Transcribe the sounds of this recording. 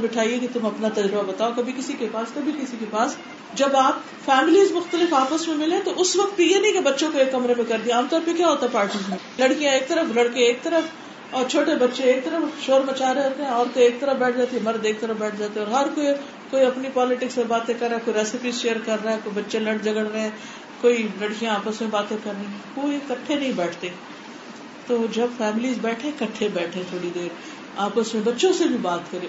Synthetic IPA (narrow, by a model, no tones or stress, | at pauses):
bɪʈʰaːieket̪ʊmɐpnat̪ɐd͡ʒɾɪbabɐt̪aːokɐbʱikɪsikepaːskɐbʱikɪsikepaːs | d͡ʒɐbaːp | fɛːmɪliːzmʊxt̪əlɪfaːpəsmẽmɪleẽt̪oʔʊsʋɐk̚t̪̚bijenɐɦĩkebɐtːʃõkoeːkːɐmɾẽmẽkɐɾd̪iaaːmt̪ɔːɾəfbeikjaːɦoːt̪aɦɛpaːɾʈiːzmẽ | lɐɽkijãeːk̚t̪ɐɾəflɐɽkeeːk̚t̪ɐɾəf | ɔːɾt͡ʃʰoːʈebɐtːʃeeːk̚t̪ɐɾəfʃoːɾmɐt͡ʃaːɾeɦoːt̪eɦɛ̃ɔːɾk̪oeːk̚t̪ɐɾəfbɛːʈʰd͡ʒaːt̪iɛ̃mɐɾd̪eːk̚t̪ɐɾəfbɛːʈʰd͡ʒaːt̪ẽɔːɾɦɐɾkoːi | koːiɐpnipɔːlɪʈɪksːebaːt̪ẽkɐɾːaɦɛkoːiɾɛːsɪpizʃeːəɾkɐɾːaɦɛ̃koːibɐtːʃelɐɽd͡ʒɐɡəɽɾeɦɛ̃ː | koːilɐɽkijãaːpəsmẽbaːt̪ẽkɐɾnĩkoːikɐʈʰːenɐɦĩbɛːʈʰt̪eː | t̪oːd͡ʒɐbfɛːmɪliːzbɛːʈʰẽkɐʈʰːẽbɛːʈʰeẽt̪ʰoːɽid̪eːɾ | aːpəsmẽbɐtːʃõsebʱibaːt̪kəɾe